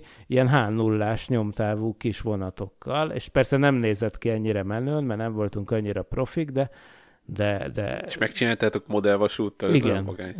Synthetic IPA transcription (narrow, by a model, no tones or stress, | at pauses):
ijɛnɦaːnːulːaːʃɲo̞mt̪aːvuːkiʃʋo̞nɒt̪o̞kːɒlḛːʃpɛrsɛnɛmneːzɛt̪kiɛɲːiɾɛmɛnøːnmɛrnɛɱvo̞lt̪uŋkɒɲːiɾɒpro̞fiɡd̪ɛ | d̪ɛd̪ɛ̰ʃmɛkt͡ʃinaːlt̪aːt̪okmo̞d̪ɛlvɒʃuːt̪ːɒliɡɛnmɒɡaːɲ